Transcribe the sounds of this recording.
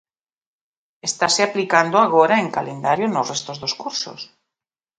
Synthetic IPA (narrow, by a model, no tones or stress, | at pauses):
est̪aseaplikand̪oaɣoɾaeŋkalend̪aɾjonosrest̪ozðoskuɾso̰s